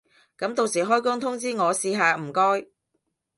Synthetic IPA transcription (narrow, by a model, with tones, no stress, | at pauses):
kɐ˨˥mt̪o˧wsiː˨˩ɦɔː˥jkʊ˥ŋt̪ʰʊ˥ŋt͡siː˥ŋɔː˨˧siː˧ɦaː˧m̩˨˩kɔː˥j